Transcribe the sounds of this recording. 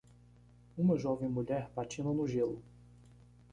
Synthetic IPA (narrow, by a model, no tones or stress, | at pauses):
ũmɐʒɔvẽj̃muʎɛɾpat͡ʃĩnɐnʊʒelʊ